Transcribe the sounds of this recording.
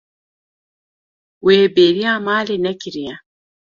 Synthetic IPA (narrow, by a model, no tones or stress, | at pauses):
weːbeɾiamaːlinekiɾija